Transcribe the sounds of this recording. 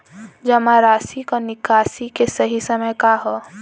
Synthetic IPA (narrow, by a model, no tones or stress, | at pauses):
d͡ʒəmaɾaːsikonɪkaːsikesəɦisəməjkaɦo